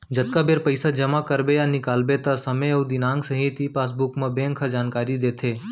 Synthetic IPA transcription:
d͡ʒət̪̚kabeːɾpəɪsad͡ʒɐmakəɾbejanɪkaːlbet̪asɐməɐud̪ɪnaːŋɡsə̃ɦit̪ipaːs̬bʊkmãbẽŋkʰad͡ʒaːnkaːɾid̪eːt̪ʰeː

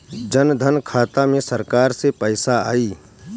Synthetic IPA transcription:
d͡ʒənd̪ʱənkʰaːt̪amẽsɐɾkaːɾsepəːɪsaa̰ːiː

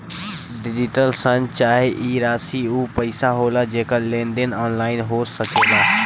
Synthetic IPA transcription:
ɖɪd͡ʒɪʈəlsə̃nt͡ʃaːɦeʔiːɾaːsiːuːpəɪsaɦoːlaːd͡ʒeːkalẽːnɖ̪enaːnlaːɪnɦoːsəkeːd̪aː

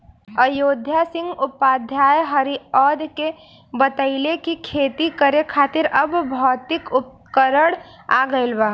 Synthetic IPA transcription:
əjoːd̪ʱjasɪ̃ŋɡʊpːaːd̪ʱjaːjɦəɾiɔːd̪ke | bət̪əɪlekikʰeːt̪ikəɾekʰaːt̪ɪɾɐbbʱɔːt̪ɪkʊp̚ | kəɾəɽ | aːɡəɪlbaː

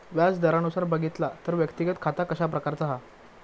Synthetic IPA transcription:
ʋjat͡sd̪əɾanusaɾbəɡʱit̪lat̪əɾʋjəkt̪iɡət̪kʰat̪akəɕap̬ɾəkaɾt͡saɦa

